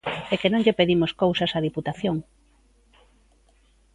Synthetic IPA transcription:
ekenõŋʎepeðimoskowsɐsɐðiput̪aθjoŋ

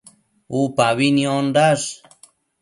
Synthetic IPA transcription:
upaβinĩondas

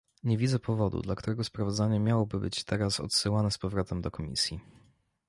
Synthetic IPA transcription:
ɲevʲid̪zɛpʰɔvɔd̪ṵd̪lakt̪uɾɛɡɔspɾavɔd̪zaɲɛmʲjawɔbɘbɘ̰t͡ɕt̪ɛɾasɔ̰t̪sɘwanɛspɔvɾɔt̪ɛmd̪ɔkɔmʲḭsʲji

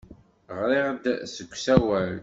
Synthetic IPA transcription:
ʁɾɪʁd̪səkʷːsæwæl

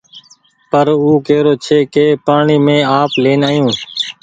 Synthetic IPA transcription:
pəɾuːkeːɾoːt͡ʃʰeːkeːpaːɳiːmẽːaːpleːnaːjũː

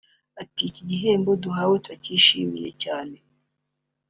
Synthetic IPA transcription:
aticiɟiɦeːmboduɦawetwaciʃimḭjḛcaːne̞

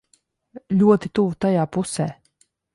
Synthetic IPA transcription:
lʲuɔt̪it̪uvt̪ajaːpusɛː

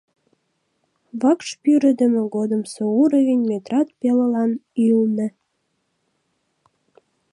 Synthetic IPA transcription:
βɑkʃpyɾə̆d̪ə̆mĕɣod̪əmsouɾəɣenʲmet̪rɑt̪̚peləlɑnilnə̆

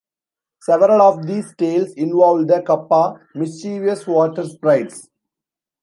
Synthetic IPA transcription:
sɛʋəɾəlɔːʋd̪iːsʈeːlsɪ̃nʋɔːlɖd̪əkɐpːaːmɪst͡ʃiːʋiəsʋɔːʈəɾspɾaɪɖs

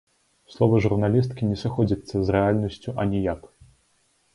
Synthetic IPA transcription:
slˠɔvɐʐurnalʲist̪kʲinʲɛsɨxɔd͡zʲit̪sːɐzrɛalʲnɐsʲt͡sʲuʔɐnʲɛjak

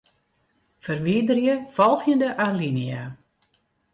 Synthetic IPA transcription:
fərʋiːdərjəfɔlˠxjəndəʔaːnlinia

